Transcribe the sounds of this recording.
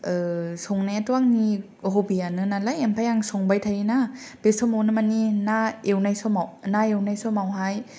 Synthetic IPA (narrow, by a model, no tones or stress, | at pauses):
ɯsɔŋnajatɔaŋni | ɦobianɯnalajempʰajaŋsɔŋbajtʰajina | b̥esɔmawnɯmaninaewnajsɔmawnaewnajsɔmawɦaj